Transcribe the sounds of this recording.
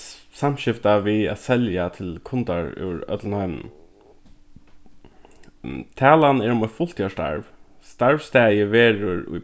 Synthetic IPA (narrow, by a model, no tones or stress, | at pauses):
samʃɪft̪aʋiæ̰t̪sɛljat̪ʰɪlkʰʊnt̪aɹʉ̰ɾœ̰t̪lnhɑʏmn̩ | t̪ʰæːlanɛːɹʊmɔfʊl̥t̪jaʂta̰ɹʋ | st̪aɹʋst̪æːjəʋeːɹʊɹʊ̰j